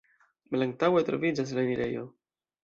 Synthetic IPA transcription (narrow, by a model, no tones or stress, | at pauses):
malaŋk̚tawe̞t̪ɾo̞̰vid͡ʒas̬laniɾe̞jo̞̰